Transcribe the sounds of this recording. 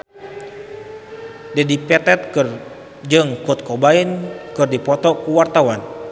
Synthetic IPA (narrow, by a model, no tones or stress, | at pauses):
dɛdipɛt̪ɛt̪̚kɨr | d͡ʒɨŋkɔt̪̚kɔbainkɨrdipɔt̪ɔkuwart̪awan